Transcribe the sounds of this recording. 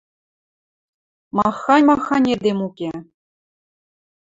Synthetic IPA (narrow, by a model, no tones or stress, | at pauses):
mɑxːɑnʲmɑxːɑnʲed̪ʲemukʲe